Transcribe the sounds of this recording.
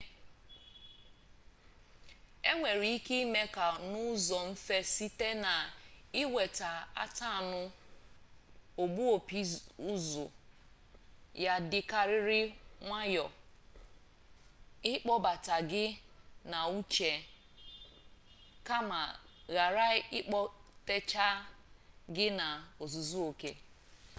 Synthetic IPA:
e˦ŋʷe˨ɾi˨i˦ki˦i˦me˦ka˨nʊ˦zɔ˨m̩˦fe˦si˦te˦na˨ɪ˦we˨ta˨a̰˦ta˦a˨nʊ˦ | o˨bu˦o˨pi˦u˦zʊ̰˨ | ja˦dɪ˨ka˨ɾɪ˦ɾɪ˦ŋʷa˦jɔ˨ | ɪ˦k͡pɔ˦ba˨ta˨ɡɪ˦na˨u˦t͡ʃe˨ | ka˦ma˨ɣa˨ɾa˦ɪ˦k͡pɔ˦te˦t͡ʃa˦ | ɡɪ˦na˨o˨zu˨zu˦o˨ke˦

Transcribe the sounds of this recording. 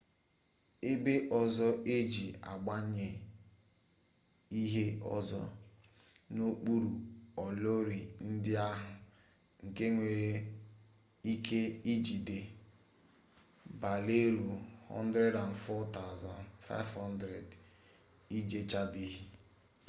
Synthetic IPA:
e˦be˦ʔɔ˨zɔ˦ʔe˦d͡ʒi˨a̰˨ɡ͡ba˦ɲe˨ | i˦ɦe˦ɔ̰˨zɔ̰˦ | no˦k͡pu˦ɾu˨ɔ˨lo˦ɾi˨n̩˦dɪ˦a˦ɦʊ˨ | ŋ̩˨ke˦ŋʷe˨ɾe˦ | i˦ke˦i˦d͡ʒi˨de˨ | ba˨le˦ɾu˨hɔ̰˦n̩˦dɾe˦da˨n̩˨fɔ˦ta˦ʊ˨zɔ˨nfa̰˦ɪ˦vhɔ˦ndɾe˨d | i˦d͡ʒe˦t͡ʃa˦bi˦ɦi˦

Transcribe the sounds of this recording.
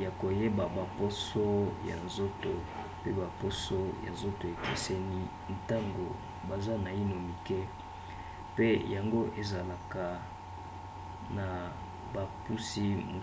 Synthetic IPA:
ja˨ko˨je˦ba˨ba˨po˦so˦ja̰˨nzo˦to˨ | pe˦ba˨po˦so˦ja̰˨nzo˦to˨e˨kḛ˨sɛ˦ni˦ | n̩˨ta˦ŋɡo˨ | ba˨za˦na˨i˦no˨mi˨ke˦ | pe˦ja˨ŋɡo˦ʔe˨za˨la˨ka˨ | na˨ | ba˨pu˦si˦mo˨

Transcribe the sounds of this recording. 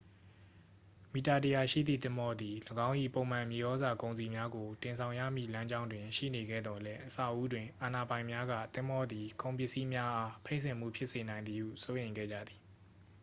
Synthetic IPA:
mi˨ta˨tə˨ja˨ʃḭ˦˨d̪ðḭ˦˨t̪ɪ̃˦mbɔ˦d̪i˨ləɡã˦ʊ̃ʔḭ˦˨põ˨ʊ̃mã˨mje˨ʔɔ˦za˨kõ˨ʊ̃nzi˨mja˦ɡo˨tɪ̃˨nsʰã˨ʊ̃jä̰˦˨mḭ˦˨lã˦ɲd͡ʑã˦ʊ̃ndwɪ̃˨ʃḭ˦˨ne˨ɡɛ̰˦˨d̪ɔ˨lɛ˦ʔəsa̰˦˨ʔu˦dwɪ̃˨ʔa˨na˨bã˨ɪ̃mja˦ɡä̰˦˨t̪ɪ̃˦mɔ˦d̪i˨kʰõ˨ʊ̃p̬jɪ˦ʔsi˦mja˦ʔa˦pʰe˦ɪ̃nsɪ̃˨m̥ṵ˦˨pʰjɪ˦ʔse˨nã˨ɪ̃nd̪ði˨hṵ˦˨so˦jẽ˨ɪ̃ŋɡɛ̰˦˨d͡ʑa̰˦˨d̪ði˨

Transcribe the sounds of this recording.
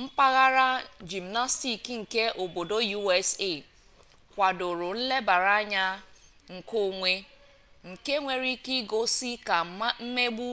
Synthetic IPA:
m̩˦pa˦ɣa˦ɾa˦d͡ʒi˨m˨na˦sti˨ki˦ŋ̩˨ke˦ʔo˨bo˨do˦ju˦e˦se˦˨ | kʷa˨dʊ˨ɾʊ˨n̩˦le˦ba˨ɾa˦ɲa˦ | ŋ̩˨ko˦˨ŋʷe˦ | ŋ̩˨ke˦ŋʷe˨ɾi˦ki˦ɡo˦si˦ka˨m̩˦me˦ɡ͡bu˦

